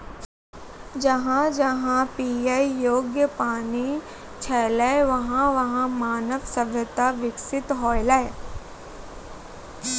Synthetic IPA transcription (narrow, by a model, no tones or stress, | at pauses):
d͡ʒɐɦãd͡ʒɐɦãpiːaijoːɡjəpaːni | t͡ʃʰɛːlɛʋɐɦãʋɐɦãmaːnəʋsɐ̃bʱət̪aʋɪksɪt̪ɦɔːɪlɛe